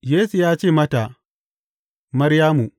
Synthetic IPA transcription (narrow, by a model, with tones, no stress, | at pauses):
jeː˦su˨jaː˦t͡ʃeː˦˨mɐ˦ta˨ | mɐ˦ɾjaː˦mu˨